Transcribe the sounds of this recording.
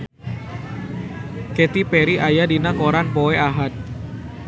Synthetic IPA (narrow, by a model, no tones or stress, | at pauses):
kɛt̪ipɛɾiʔajadinakoɾanpoeʔaɦat̪̚